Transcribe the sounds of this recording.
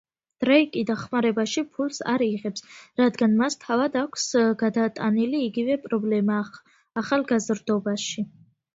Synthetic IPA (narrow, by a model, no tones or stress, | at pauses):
d̪̥ɾɛikʼid̪aχmaɾɛbaʃipʰulsa̰ɾiʁɛpsɾad̪ɡanmast̪ʰavad̪akʷʰsɡad̪at̪ʼaniliːɡivɛpʼɾɔblɛmaː | χalˠɡazrd̪ɔbaʃi